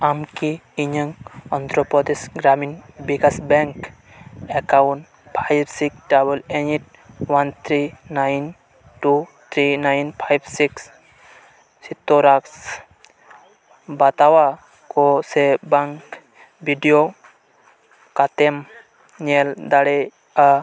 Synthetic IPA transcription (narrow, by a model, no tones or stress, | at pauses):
amkiiɲəŋɔnt̪ɾɔpɔd̪isɡɾaminbikasbɛŋk | ekawɳʈ | pʰajbsiksʈabəleɲiʈ̚ | want̪ʰɾinajn | ʈut̪ʰɾinajnpʰajbsiks | sit̪ːoɾaks | bat̪awa | kosebaŋk | biɖijo | kat̪em | ɲeld̪aɽe | a